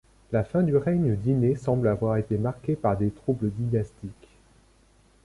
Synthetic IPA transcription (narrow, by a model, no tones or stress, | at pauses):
lafɛ̃d̪yʁɛɲəd̪inesɑ̃blavwaʁet̪emaʁkʲepaʁd̪et̪χubləd̪inast̪ik